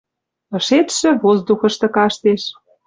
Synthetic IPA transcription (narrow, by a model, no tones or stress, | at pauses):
ɤ̆ʃet̪ʃĕβozd̪uxɤ̆ʃt̪ɤ̆kɑʃt̪eʃ